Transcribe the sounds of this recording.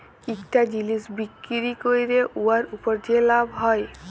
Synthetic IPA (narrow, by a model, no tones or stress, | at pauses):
ikʈad͡ʑilisbikːiɾikoɾiɾeʔuaɾupɔɾdʰielabʱɦɔj